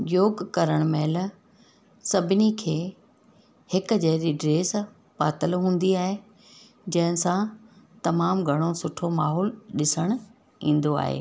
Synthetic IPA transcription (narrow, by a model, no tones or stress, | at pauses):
joːɡkɐɾəɽ̃meːl | sɐbʱɪnikʰeː | hɪkʊ̆d͡ʑɐɦɾiɖɾeːs | paːt̪əlɦũːn̆d̪iaːɦe | d͡ʑɐ̃ɦɪ̃sã | t̪ɐmaːmɡʱɐɽ̃osʊʈʰomaːɦɔːlɗɪsəɽ̃ | ĩːn̆d̪oa̰ːɦḛː